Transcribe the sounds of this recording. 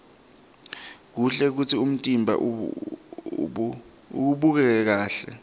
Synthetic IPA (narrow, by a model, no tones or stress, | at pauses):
k̬uɬɛk̬ut͡sʰium̩tʼimbʱa̰ʔ | ṵk̬uɓuk̬ɛk̬ɛk̬aːɬɛ̰